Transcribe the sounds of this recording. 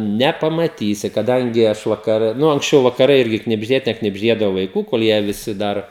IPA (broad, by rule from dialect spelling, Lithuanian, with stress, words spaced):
nʲɛpɐmɐˈtʲiːsʲɪ kɐˈdɐŋʲɡʲɪ ˈɐʃ ʋɐkɐˈrʲɛ ˈnʊ ɐŋksʲˈt͡ʃʲɛʊ ʋɐkɐˈrɐɪ ˈɪrʲɡʲɪ knʲɪbʲʒʲˈdʲeːtʲɛ knʲɪbʲʒʲˈdʲeːdɐʋoː ʋɐɪˈkuː koːlˠ ˈjiɛ ʋʲɪˈsʲɪ ˈdɐr